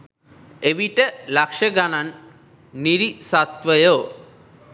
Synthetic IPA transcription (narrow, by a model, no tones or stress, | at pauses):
eʋiʈəlakʂəɡananː | iɾisat̪ʋəjoː